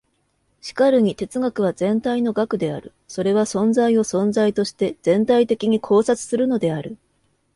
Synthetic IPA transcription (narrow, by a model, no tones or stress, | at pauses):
ɕi̥kaɾɯ̟ɲ̟it̪e̞t͡sɨɡakɯ̟β̞azẽ̞nt̪aino̞ɡakɯ̟d̪e̞a̰ɾɯ̟ | so̞ɾe̞β̞asõ̞nzaio̞sõ̞nzait̪o̞ɕi̥t̪e̞z̥ẽ̞nt̪ait̪e̞kʲiɲ̟ikʰo̞ːsat͡sɨ̥sɨɾɯ̟no̞d̪e̞aɾɯ̟